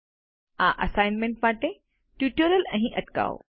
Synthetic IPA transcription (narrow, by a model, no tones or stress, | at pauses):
ãːʔɐsaːɪnmẽɳʈ̚maːʈe | ʈjuːʈjəɾəlɐ̃ɦĩʔɐʈka̰ːo̰